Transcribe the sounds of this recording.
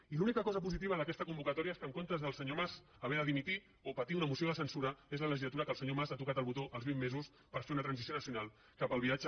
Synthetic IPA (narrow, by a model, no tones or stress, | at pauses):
ilunikəkɔzəp̬uzit̪̬iβ̞əðəkɛst̪əkumbukət̪ɔɾiəeskəŋkont̪əzðəlˠsəɲomaz | əβɛðəðimit̪i | opət̪iunəmusioðəsənsuɾəezlələʒizlət̪uɾəkəlˠsəɲomazat̪ukat̪əlˠβut̪oʔəlzβimːezus | pəɾfeunət̪ɾənsisijonəsiunalˠ | kapəlβiad͡ʒə